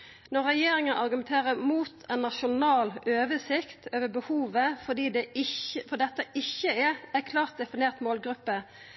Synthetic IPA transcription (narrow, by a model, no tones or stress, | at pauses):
nɔʁːɛjeːɾɪŋənʔɑʁɡʉmɛnt̪ʰeːʁəmuːt̪ʰɛnːɑʃʊnɑːlʔøːʋəsɪkt̪ʰøːʋəbəhuːʋəfɔd̪iːd̪ɛɪəfɔd̪ɛt̪ːəʔɪçːəææɾkʰlɑːʁt̪̚d̪ɛfɪneːʁt̪moːlɡɾʉpːə